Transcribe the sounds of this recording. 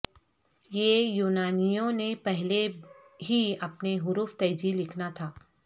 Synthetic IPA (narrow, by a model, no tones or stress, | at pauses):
jejuːnaːnijõnepɛɦleɦiɐpneɦʊɾuːft̪ɐːd͡ʒilɪkʰnat̪ʰaː